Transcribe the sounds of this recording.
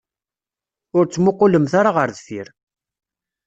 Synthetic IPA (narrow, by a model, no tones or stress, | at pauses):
ʊɾt͡sːmʊqːʊləmθaɾaʁəɾðfḭɾ